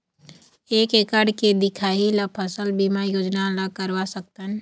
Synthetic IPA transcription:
eːkeːkaɖked̪ɪkʰaːilapʰəsəlbimajoːd͡ʒnalakəɾʋasək̚t̪ən

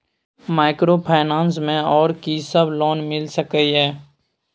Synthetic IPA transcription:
maːɪkɾoːpʰaːɪnãːnsmẽɔːɾkisɐblɔːnmɪlsəkəiɦɛː

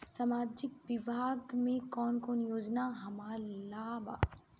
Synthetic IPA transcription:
saːmaːd͡ʒɪkʋɪbʱaːɡmẽkɔːnkɔːnjoːd͡ʒnaɦɐmaːɾlaːba̰ː

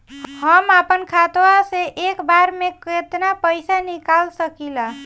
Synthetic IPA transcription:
həmapənkʰat̪waseʔekbaɾmeket̪napəɪsanikalsəkila

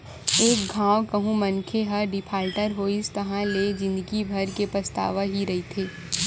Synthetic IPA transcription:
eːk̚ɡʱãːwkəɦũmɐ̃nkʰeɦɐɖɪpʰaːlʈəɾɦoːist̪ɐɦãled͡ʒɪ̃nd̪əɡibʱɐɾkepɾɐst̪a̰ːʋaɦiɾɐɦit̪ʰeː

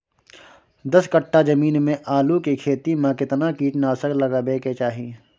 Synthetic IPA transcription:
d̪ɐskɐʈːad͡ʒɐmiːnmẽʔaːlukikʰeːt̪imãkɪt̪nakiːʈnaːsəklɐɡabeːket͡ʃaːɦi

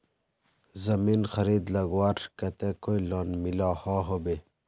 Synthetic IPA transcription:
zɐminxɐɾid̪lɐɡwaːɾkɐt̪ekoilɔːnmilahɔɦobe

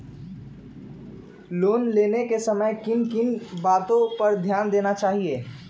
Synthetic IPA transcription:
loːnleːnekesəməjkɪnkɪnbaːt̪õpɐɾd̪ʱjaːnd̪eːnat͡ʃaːɦieː

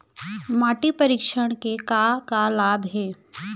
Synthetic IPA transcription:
maːʈipɐɾiːkʃəɽ̃kekakalaːbɦɛː

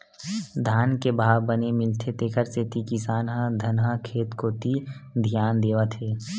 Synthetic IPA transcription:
d̪ʱaːnkebʱaːʋbənemɪlt̪ʰet̪eːkʰəɾset̪ikɪsaːnɦãd̪ʱɐnɦãkʰeːt̪kot̪id̪ʱijaːnd̪eːʋat̪ʰeː

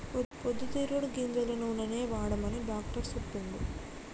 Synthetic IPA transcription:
pod̪ːut̪iːɾuɽɡind͡ʒ̪ɐlɐnunɐneːʋaːɽɐmɐniɖaːkʈɐɾsopːiɳɖ̪u

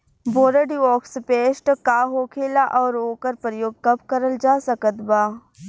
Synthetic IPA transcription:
boːɾəɖiʋɔːkspeːʃʈkaːɦoːkʰeːlaʔɔːɾoːkəɾpɾəjoːɡ̚kɐbkəɾəld͡ʒaːsɐkət̪baː

